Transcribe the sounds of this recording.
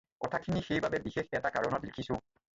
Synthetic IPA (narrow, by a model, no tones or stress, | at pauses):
kɔtʰakʰinixejbabɛbixexɛtaka̰ɹɔnɔtlekʰisʊ̃